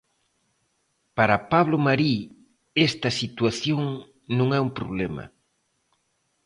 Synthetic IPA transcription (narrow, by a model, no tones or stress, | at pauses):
paɾɐpaβ̞lomaɾi | est̪ɐsit̪waθjoŋ | nõŋɛumpɾoβlɛmɐ̰